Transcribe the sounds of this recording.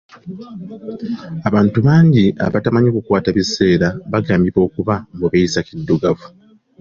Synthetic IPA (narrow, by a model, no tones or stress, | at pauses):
aβaːntuβaːɲɟiʔa̰βatamaɲokukwaːtaβise̞ːɾaβaɡaːmbiβo̞ːkuβambuβeisakidːuɡavu